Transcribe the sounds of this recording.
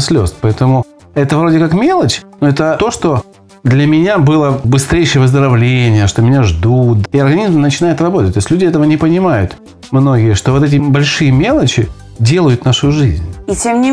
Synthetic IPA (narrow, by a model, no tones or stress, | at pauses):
sʲlʲo̞̰spɐɛt̪əmʊ | ɛt̪əvɾo̞dʲɪkakmʲe̞lˠət͡ɕnoɛt̪ət̪o̞ʂt̪o̞ | d̪lʲɐmʲɪnʲabɨlˠəbɨst̪ɾʲejʂəjəvəzd̪əɾɐvlʲenʲɪjəʂt̪o̞mʲɪnʲaʐd̪ut̪̚iɐrɡɐnʲizmnət͡ɕɪnajɪt̪rɐbot̪ət̚ʲt̪osʲlʲudʲɪɛt̪əvənʲɪpənʲɪmajʊt̪ | mno̞ɡʲɪjəʂt̪ovot̪ɛt̬ʲɪbɐlʲʂɨjəmʲe̞lˠət͡ɕɪ | dʲe̞lˠəjʊt̪naʂʊʐɨzʲnʲitʲemnʲɪ